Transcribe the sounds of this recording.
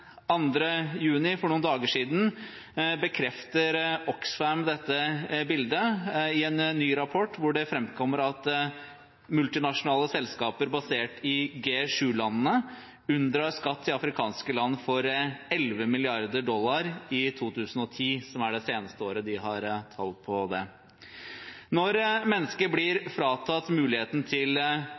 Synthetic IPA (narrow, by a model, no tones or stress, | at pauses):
ɑnd̪ɾəjʉːnɪfɔɳuːnd̪ɑːɡəʂiːd̪n̩ | bəkʰɾɛft̪əɾɔksfæmd̪ɛt̪ːəbɪld̪əɪɛnːyːɾɑpʰɔʈːʋʊɖɛfɾɛmkʰɔmːəɾɑt̪ | mʉlt̪ɪnɑʂʊnɑːləsɛlskɑːpəɾbɑseːʈɪɡeːʂʉːlɑnənə | ʉnd̪ɾɑskɑt̪ʰːɪɑfɾɪkʰɑːnskəlɑnːfɔɾɛlʋəmɪlɪɑɾd̪əɖɔlːɑɾɪt̪ʰuːt̪ʰʉːsn̩ɔt̪ʰiːsɔmæɖɛseːnəst̪əoːɾəd̪ɪɦɑɾt̪ʰɑ̰ːlt̪̚pʰɔd̪ɛ | nɔɾmɛnːəskəblɪɾfɾɑːt̪ʰɑt̪mʉːlɪheːt̪n̩t̪ʰɪl